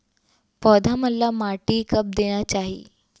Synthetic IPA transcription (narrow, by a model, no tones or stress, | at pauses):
pɔd̪ʱaməlːamaʈiːkəp̚d̪eɽ̃jat͡ɕaɦḭː